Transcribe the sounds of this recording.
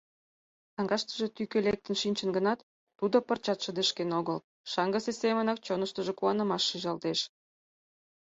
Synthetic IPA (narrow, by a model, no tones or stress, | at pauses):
t̪ɑŋɡɑʃt̪ə̥ʒet̪ykølek̚t̪ənʃinʲt͡ɕə̆nɡənɑt̪ː | ud̪opərt͡ɕɑt̪ʃəd̪əʃkenoɣəl | ʃɑŋɡəsesemənɑk̚t͡ɕonəʃt̪əʒekuɑnə̆mɑʃːiʒɑlt̪eʃ